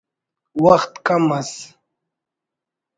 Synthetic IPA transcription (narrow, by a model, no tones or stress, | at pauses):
waxt̪kamas